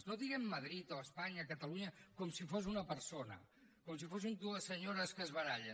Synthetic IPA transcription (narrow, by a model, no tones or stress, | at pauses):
noðiɣemːəð̞ɾit̪oəspaɲəkət̪əluɲəkomsifos̬unəpəɾsonə̰ | koms̬ifosimd̪uəsːəɲoɾəskəzβəɾaʎə